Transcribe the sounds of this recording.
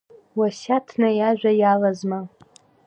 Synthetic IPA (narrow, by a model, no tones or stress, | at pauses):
wasatʰnajaʒᶣʷajalazma